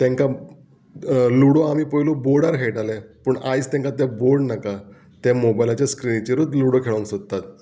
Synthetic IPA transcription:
t̪ɛ̃ŋka | luɽoamiːpəjloboɾɽaɾɦʰeʈalɛ̃pəːɳʔajst̪ɛ̃ŋkat̪ɛ̃boɾɽnaka | t̪ɛ̃mobajlat͡ɕjaskɾinit͡ɕeɾut̪luɽokʰeɭonsod̪t̪ːat̪̚

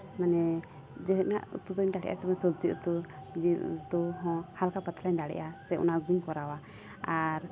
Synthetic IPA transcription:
manɛ | d͡ʒɔɦɛt̚naʔṵt̪ud̪ɔɲd̪aɽɛ̰ʔa̰sɛbansɔb̚d͡ʒiut̪ud͡ʒid̪uɦɔ̃halkapat̪laɲd̪aɽɛ̰ʔasɛṵnaɡiɲkɔɾawa | aɾ

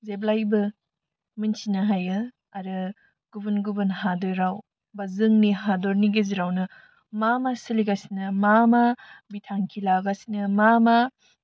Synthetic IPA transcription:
zeblajbɯ | minsinaɦajɯ | aɾɯ | ɡ̥ubɯnɡubɯnɦadɔɾaw | bazɯŋniɦadɔɾniɡiziɾawnɯ | mamasiliɡasinɐmamabitʰaŋkʰilaɡasinɯmama

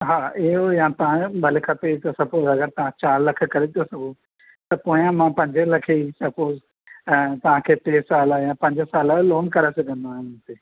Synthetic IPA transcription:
ɦaːiɦojãːt̪ɐʋãbʱɐlekʰɐt̪et̪osɐpoːzɐɡəɾt̪ɐʋ̤ãt͡ɕaːɾlɐkʰə̆kɐɾet̪osɐɡo | t̪ɐpõːãmãpɐ̃ɲd͡ʑəlɐkʰeisɐpoːz̃ | t̪ɐʋ̤ãkʰeːt̪eːsaːljãpɐ̃ɲd͡ʑəsaːlloːnkɐɾesɐɡʱə̃nd̪aːɦɪnʊnɪt̪eː

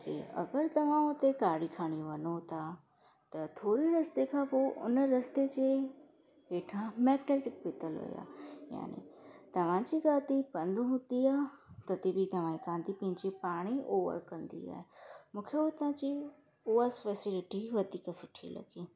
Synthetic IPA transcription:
kḛɐ̰ɡəɾt̪ɐʋ̤ãot̪ekaːɽikʰaːɽ̃iʋɐnot̪a | t̪ɐt̪ʰoːɾiɾɐst̪ekʰãpoʔʊ̰nɾɐst̪et͡ɕe | ʋeːʈʰãmɛːɡneːʈɪk̚pɪt̪əlɦo̰ːja̰ːja̰ːnḭt̪ɐʋ̤ãt͡ɕiɡaːt̪ipɐ̃nd̪uɦũd̪iaːt̪ɐt̪ibʱit̪ɐʋ̤ãːikãːnd̪ipɐ̃ɦɪ̃ɲd͡ʑepaːɽ̃iʔoːʋə̰ɾkɐɾə̃nd̪ḭa̰ːɦemũːkʰeot̪ãːt͡ɕi | uːasfɛːsɪlɪʈiʋɐd̪ikasʊʈʰilɐ̰ɡiː

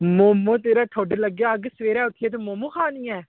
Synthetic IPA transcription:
moːmːõːt̪̬eːɾaːʈʰoːɖləɡjaːəɡsʋeːɾɛːʊt̪ʰːjeːt̪̬omomːuːkʰaːniːɛː

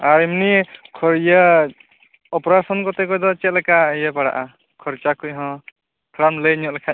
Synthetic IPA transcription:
aɾimnikʰɔɾjə | ɔpɔɾasɔnkɔt̪ɛkɔjd̪ɔt͡ʃɛt̪̚lɛkaəjəpaɽa̰ʔa | kʰɔɾt͡ʃakʰujɦɔ̃ | kʰɾanlənjɔʔ̚lakʰa

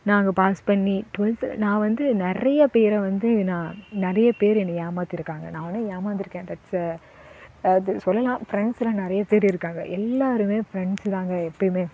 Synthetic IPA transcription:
nãːŋɡɐpaːspɐɳːiʈʋɪnsnãːʋɐnd̪ɯnɪɾɐjɐpeːɾɐʋɐnd̪ɯnãːnɪɾɐjɐpeːɾɛnːɐjaːmaːt̪ɪɾɯkːaːŋɡɐ̰nãːnːɯjaːmaːt̪ɪɾɯkːẽːd̪ɐʈs | ɐðɯsɔlːɐlãːfɾɛɳslɐ̃ːnɪɾɐjɐpeːɾɪɾɯkːaːŋɡɐʔɛlːaːɾɯmeːfɾɛɳɖst̪ãːŋɡɐɛpːɐɽimeː

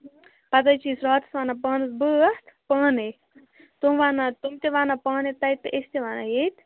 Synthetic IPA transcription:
pɐt̪ɐjt͡ʃiːsɾɔːt̪ʰsʋaːnapɐːnɨsbəst̪ʰpəːne | t̪omʋaːnat̪umt̪eʋaːnapəːnet̪ɐjt̪ːɨʔest̪eʋaːnajet̪

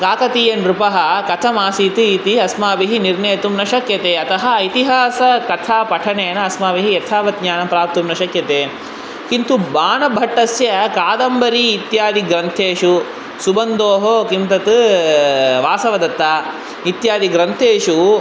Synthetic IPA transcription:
kaːkɐt̪ijɐnɾupɐɦɐkɐt̪ʰɐmaːsiːt̪iːt̪iɐsmaːʋiɦiniɾnɐjt̪umnɐʃɐkjɐt̪eːɐt̪ɐɦɐːjt̪iɦaːsɐkɐt̪ʰaːpɐʈʰɐneːnɐɐsmaːʋiɦijɐt̪ʰaːʋɐt̪̚ɲaːnɐpɾaːp̚t̪umnɐʃɐkjɐt̪eː | kint̪ubaːnɐbʱɐʈːɐsjɐkaːd̪ɐmbɐɾiːt̪jaːd̪iɡɾɐnt̪ʰeːʃu | subɐnd̪oːɦokimt̪ɐt̪ɨ | ʋaːsɐʋɐd̪ɐt̪ːaː | it̪jaːd̪iɡɾɐnt̪ʰeːʃu

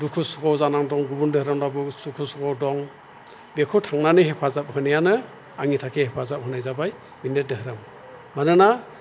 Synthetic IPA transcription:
dukʰusɔɡawzanaŋdɔŋɡubundɯhɾamdabusukʰusɔɡɔwdɔŋ | bekʰutʰaŋnanɯɦepʰazap̚hɯnijanɯ | aŋitʰakʰehepʰazap̚ɦɯnajzabaj | binet̚dɯɦɯɾɯm | manɯna

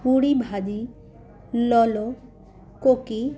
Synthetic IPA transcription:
puɽibʱad͡ʒi | lɔlo | koki

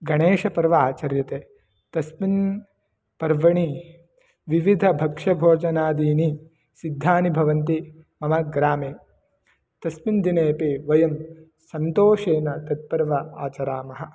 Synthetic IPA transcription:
ɡɐɳeːʂɐpɐɾʋɐaːt͡ʃɐɾjɐt̪eː | t̪ɐsmin | pɐɾʋɐɳi | ʋiʋid̪ʱɐbʱɐkʂɐbʱoːd͡ʒɐnaːd̪iːni | sid̪ʱːaːnibʱɐʋɐnt̪i | mɐmɐɡɾaːmeː | t̪ɐsmind̪ineːpeʋɐjɐm | sɐnt̪oːʃeːnɐt̪ɐt̪̚pɐɾʋɐaːt͡ʃɐɾaːmɐɦɐ

